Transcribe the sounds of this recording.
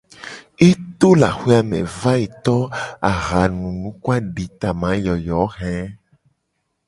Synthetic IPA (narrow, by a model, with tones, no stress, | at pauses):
e˦t̪o˦la˨xe˦a˨mɛ̰̃˨va˦i˨t̪ɔ˦a˨ɣa˨nũ˨nũ˨˦kwa˦ɖi˨t̪a˨mã˨˦jɔ˨jɔ˨˦ɣɛ̃˦